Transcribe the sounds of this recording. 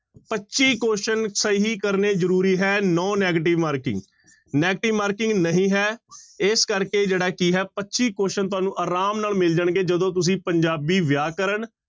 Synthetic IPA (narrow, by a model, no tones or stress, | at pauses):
pətːʃiːkoːʃənsəiːɦiːkəɾneːzəɾuːɾiːɦɛːnɔ̃ːnɛːɡəʈ̬ɪʋmaːɾkɪ̰̃ŋɡ | nɛːɡʈɪʋmaːɾkɪ̃ŋɡnəɦĩːɦɛːɪskəɾkeːd͡ʒeːɽaːkiːɦɛːpətːʃiːkoːʃənt̪̬ʊaːnũːʔaːɾaːmnaːlmɪld͡ʒaɳɡeːd͡ʒəd̪õːt̪̬ʊs̬ĩːpəɲd͡ʒaːbiːʋjaːkəɾəɳ